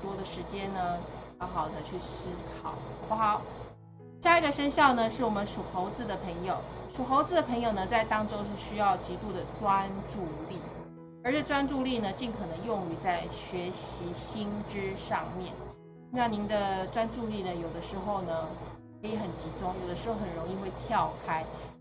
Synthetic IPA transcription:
t̪wɔ˥d̪ə˨ʂɻ̩˧˥t͡ɕjɛ˥nnə˩ja˧˥xɑ˨˩ʊd̪ə˧˦t͡ɕʰy˥˩ɕi˥kʰɑ˨˩˦ʊxɑ˨˩ʊpu˥˩xɑ˨˩˦ʊ | ɕja˥˩i˧˥ɡə˨ʂə˥nɕjɑ˥˩ʊnə˩ʂɻ̩˥˩wɔ˨˩mə˦nʂu˨˩xo˧˥ʊt͡sɹ̩˧d̪ə˩pʰɤ˧˥ŋjo˨˩˦ʊʂu˨˩xo˧˥ʊt͡sɹ̩˧˩d̪ə˨˩pʰɤ˧˥ŋjo˨˩ʊnə˩t͡sa˥˩ɪt̪ɑ˥ŋʈ͡ʂo˥ʊʂɻ̩˥˩ɕy˥jɑ˥˩ʊt͡ɕi˧˥t̪u˥˩d̪ə˩t͡swa˥nʈ͡ʂu˥˧li˥˩ | ə˞˧˥ʈ͡ʂɤ˥˩t͡swa˥nʈ͡ʂu˥˧li˥˩nə˩t͡ɕi˥˩nkʰɤ˨˩nɤ˧˥ŋjʊ˥˩ŋy˧˥t͡sa˥˩ɪɕɥɛ˧˥ɕi˧˥ɕi˥nʈ͡ʂɻ̩˥ʂɑ̰˥˧ŋmjɛ̰˥˩n˥ | na˥˩ŋni˧˥nd̪ə˧ʈ͡ʂwa˥nʈ͡ʂu˥˧li˥˩nə˩jo˨˩ʊd̪ə˦ʂɻ̩˧˥xo˥˧ʊnə˩kʰɤ˧˥i˧˥xə˨˩nt͡ɕi˧˥ʈ͡ʂʊ˥ŋjo˨˩ʊd̪ə˦ʂɻ̩˧˥xo˥˩xə˨˩nɻo˧˥ŋi˥˧xwe˥˧ɪt̪ʰjɑ˥˩ʊkʰa˥ɪ

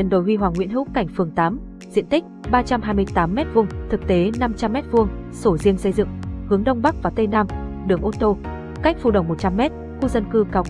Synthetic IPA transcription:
ə˨˩nɗo˨˩jhwi˧ɦwaː˨˩ŋwḭ˧˥ənhɦɨ̰˧˥wka˧˩jŋ̟fɨ˨˩əŋt̪aː˨˦m | zḭ˧˨ənt̪i˦˥k̟̚ɓaː˧t͡ɕa˧mhɦaː˧jmɨ˧əjt̪aː˨˦mːɛ˦˥t̚vʊ˧ŋ͡mt̪ʰɨ˨˩k̚t̪e˨˦na˧mt͡ɕa˧mːɛ˦˥t̚vɨ˧əŋso˧˩zi˧əŋsə˧jzɨ̰˧˨ŋhɨ˨˦əŋɗə˧wŋ͡mɓa˦˥k̚vaː˨˩wt̪e˧naː˧m | ɗɨ˧˨˩əŋʔo˧t̪o˧ | ka˦˥jk̟̚fu˨˩ɗə˨˩wŋ͡mmo˨˩t̚t͡ɕa˧mːɛ˦˥t̚ | xu˧zə˧nkɨ˧kaː˨˧w

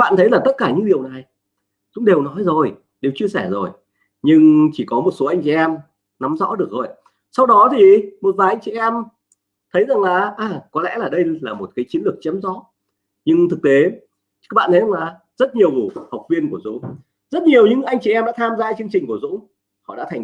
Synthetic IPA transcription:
ɓa̰ː˧˨nt̪ʰə˨˦jlaː˨˩t̪ə˦˥t̚kaː˧˩ɲɨ̰˧˥ŋɗi˨˩əwna˨˩j | zʊ̰˧˥ŋ͡mɗe˨˩wnɔ˨˦jzo˨˩j | ɗe˨˩wt͡ɕi˧əsɛ˧˩zo˨˩j | ɲɨ˧ŋt͡ɕi˧˩kɔ˨˦mo˨˩t̚so˨˦ʔa˧jŋ̟t͡ɕi˧˨ʔɛ˧m | na˨˦mzɔ̰˧˥ɗɨ˨˩ək̚zo˨˩j | sa˧wɗɔ˨˦t̪ʰi˨˩mo˨˩t̚vaː˨˩jʔa˧jŋ̟t͡ɕi˧˨ʔɛ˧m | t̪ʰə˨˦jza˨˩ŋlaː˨˩ʔaː˨˩kɔ˨˦lɛ̰˧˥laː˨˩ɗə˧jlaː˨˩mo˨˩t̚kaː˨˦jt͡ɕi˨˦ənlɨ˨˩ək̚t͡ɕə˨˦mzɔ̰˧˥ | ɲɨ˧ŋt̪ʰɨ˨˩k̚t̪e˨˦ | a˦˥k̚ɓa̰ː˧˨nt̪ʰza˨˩˧laː˨˩ | z̥ə˦˥t̚ɲi˨˩əwha˨˩wk͡p̚vi˧ənku˧˩əzṵ˧˥ | zə˦˥t̚ɲi˨˩əwɲɨ̰˧˥ŋʔa˧jŋt͡ɕi˧˩ʔɛ˧mɗa̰ː˧˥t̪ʰaː˧mzaː˧t͡ɕɨ˧əŋt͡ɕï˨˩ŋ̟ku˧˩əzṵ˧˥ | hɔ̰˧˨ɗa̰˧˥˨ŋ

